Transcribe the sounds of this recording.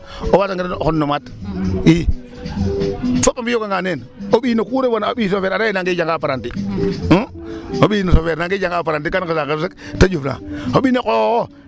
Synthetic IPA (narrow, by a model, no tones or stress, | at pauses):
owataŋɡiekonːomat | i | fopːamijokaŋɡanen | oɓiːnokuɾebonobisofeɾaɾajenaŋɡid͡ʒaŋɡapaɾanti | oɓinosofeɾnaŋɡid͡ʒaŋɡapaɾant̬ikankisaŋkesiktad͡ʒufna̰oɓinekoko